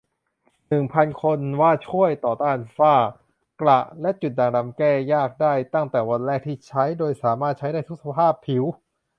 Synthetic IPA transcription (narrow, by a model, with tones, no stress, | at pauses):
nɯ˨˩ŋpʰa˧nkʰo˧nwaː˥˩t͡ɕʰu˥˩əjt̪ɔː˨˩t̪aː˥˩nfaː˥˩ | kla˨˩lɛ˦˥t͡ɕu˨˩t̪̚daː˧˩ŋɾa˧mkɛː˥˩jaː˥˩k̚daː˥˩jt̪a˥˩ŋt̪ɛː˨˩wa˧nɾɛː˥˩k̚t̪ʰiː˥˩t͡ɕʰa˦˥jdoː˧jsaː˩˦maː˥˩t̪̚t͡ɕʰa˦˥jdaː˥˩jt̪ʰu˦˥k̚sa˧pʰaː˥˩pʰːi˩˦w